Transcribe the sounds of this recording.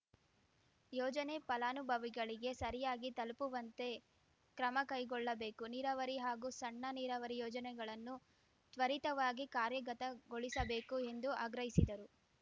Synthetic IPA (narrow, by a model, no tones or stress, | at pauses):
jɔːd͡ʒɐnepɐlaːnubʱɐʋiɡɐɭiɡe̞sɐɾijaːɡit̪ɐlpuʋɐnt̪e̞ | kɾɐmɐkɐjɡɔɭːɐbe̞ːkuniɾɐʋɐɾiɦaːɡusɐɳːɐniːɾɐʋɐɾijɔːd͡ʒɐnɛɡɐɭɐnːu | t̪ʋɐɾit̪ɐʋaːɡikaːɾjɐɡɐt̪ɐɡoɭisɐbe̞ːkue̞nd̪uʔɐɡɾɐɦisid̪ɐɾu